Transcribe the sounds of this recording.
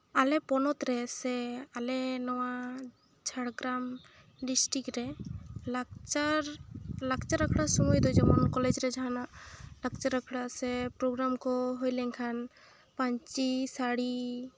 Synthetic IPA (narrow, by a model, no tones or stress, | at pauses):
alɛpɔnɔt̪ɾɛsɛalɛnɔwa | t͡ʃʰaɽɡɾam | ɖisʈɾikɾɛlat͡ʃaɾlakt͡ʃaɾakʰɽasɔmɔjd̪ɔjd͡ʒɛmɔnkɔled͡ʒɾɛd͡ʒaɦanalak̚t͡ʃaɾakʰɽasɛpɾoɡɾamkɔɦojlɛŋkʰan | paɲt͡ʃisaɽi